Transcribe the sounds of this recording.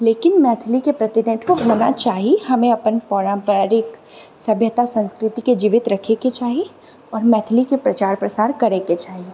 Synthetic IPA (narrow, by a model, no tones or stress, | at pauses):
leːkɪnmɛːt̪ʰlikepɾɐt̪ɪnɪd̪ʱkoɦoːna̰t͡ʃaːɦieɦɐmẽɐpənpɔːɾãmpəɾɪk | sɐbʱjət̪asɐ̃nskɾɪt̪iked͡ʒiːʋɪt̪ɾɐkʰeket͡ʃaːɦi | ɔːɾmɛːt̪ʰlikepɾɐt͡ʃaːɾpɾɐsaːɾkɐɾeket͡ʃaːɦie